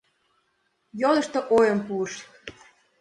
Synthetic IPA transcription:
jolə̆ʃt̪ɤ̆ʔojəmpuəʃ

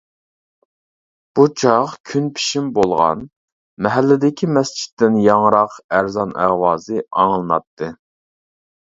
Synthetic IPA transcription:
b̥ut͡ʃʰɑχkʲʰynpʰi̥ʃimbolˠʁɑ̰n | mɛɦælːɪd̪ɪkʲʰimɛst͡ʃʰi̥t̪ːɪnjɑŋɾɑqæɾzɑnʔæʁwɑːzɨɑ̰ŋlˠɨnɑ̰t̪ʰːɨ

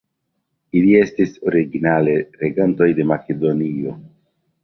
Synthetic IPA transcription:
ilie̞stiso̞ɾiɡinale̞ɾeɡanto̞jde̞make̞do̞nio̞

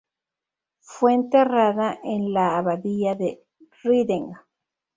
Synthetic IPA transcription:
fweːnt̪eraðaʔenlaːβaðiʝaðe | riðeŋɡa

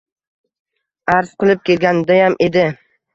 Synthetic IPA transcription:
aɾz̥qɨlˠɪp̚kʲe̞lɡʲanɪd̪ajamʔe̞d̪ɪ

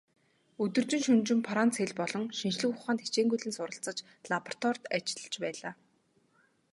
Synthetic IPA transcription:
ɵt̪ɵ̆rt͡ɕɪ̆ŋʃɵnt͡ɕɪ̆mpʰaɾant͡sʰeɮpɔɮɞ̆ŋʃinʃɮɘ̆kʊχaːnt̪ʰe̥t͡ɕeːŋɡujɮɘ̆nsʊɾə̆ɬt͡sə̆t͡ɕ | ɮapɔr̥t̪wɔrt̪at͡ɕɪ̥̆ɮə̆t͡ɕpæːɮaː

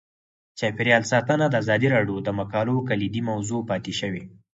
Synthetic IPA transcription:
t͡ʃɑpɪɾjɑlsɑt̪ənad̪əazɑd̪iɾɑɖjod̪əmakɑlokalid̪imawzopɑt̪ɪʃəwe

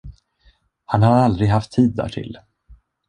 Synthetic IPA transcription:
hanhaɾald̪ɾɪɡɦaft̪ʰːiːd̪ːæ̰ːʈʰɪ̰l

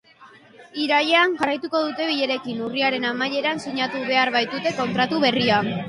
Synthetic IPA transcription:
iɾaʎe̞anʝarajt̪uko̞ð̞ut̪e̞βiʎe̞ɾe̞kinuriaɾe̞namaje̞ɾansiɲat̪uβe̞aɾβajt̪ut̪e̞ko̞nt̪ɾat̪uβe̞ria

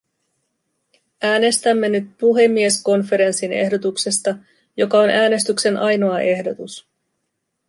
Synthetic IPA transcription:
ʔæːne̞st̪æmːe̞nyt̪̚puɦe̞mːie̞sko̞nfe̞ɾe̞nsine̞̰ɦdo̞t̪ukse̞st̪ɑ | jo̞kɑo̞næːne̞st̪ykse̞nʔɑjno̞ɑʔe̞hdo̞t̪us

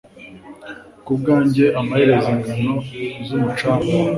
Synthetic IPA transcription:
kub̚ɡaːɲɟe̞ʔamaheɾe̞ziŋɡano̞zumut͡ʃaːmo

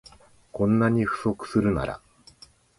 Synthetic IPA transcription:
kõ̞nːaɲ̟iɸɯ̟̥so̞kɯ̟̥sɨɾɯ̟na̰ɾa̰

